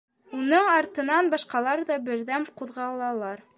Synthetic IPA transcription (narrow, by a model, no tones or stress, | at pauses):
unɤɴɑɾt̪ɤ̆nɑnbɑʃqɑlˠɑɾðɑbɘ̆ɾðæmquðʁɑlˠɑlˠɑɾ